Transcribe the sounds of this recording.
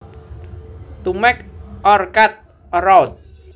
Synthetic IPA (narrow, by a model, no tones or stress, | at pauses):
t̪umɛk̚ʔɔrkat̪̚ | rɔwt̪̚